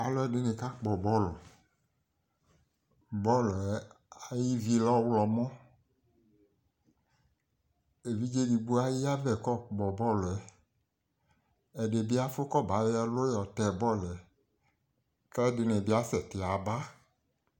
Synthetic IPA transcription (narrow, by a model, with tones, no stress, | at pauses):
a˨lɔ˦ɛ˦˨de˦ne˨ka˦k͡pɔ˨bɔ˦lɔ˨ | bɔ˦lɛ˦a˨ji˦vi˦lɔ˦wlɔ˨mɔ̃˦ | e˨vi˦d͡ʒe˦di˨ɡ͡bu˦a˦ji˦a˦vɛ˨kɔ˦˨k͡pɔ˨bɔ˦lɔ˨ɛ˨ | ɛ˨ɖe˨bi˦a˦fo˦kɔ˦ba˨˦ɛ˦lo˦jɔ˨t̪ɛ˨bɔ˦lɛ˨ | kɛ˦de˨nɛ̃˨bi˦a˦sɛ˨t̪e˨a˨ba˦